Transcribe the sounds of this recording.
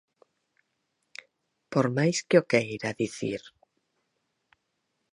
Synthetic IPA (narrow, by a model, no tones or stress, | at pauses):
poɾmajskeokejɾaðiθḭɾ